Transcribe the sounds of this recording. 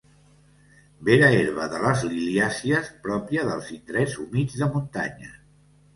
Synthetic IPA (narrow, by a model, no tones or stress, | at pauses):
beɾəeɾβəðələzliliasiəspɾɔpjəðəlˠzind̪ɾɛzumid͡zðəmunt̪aɲə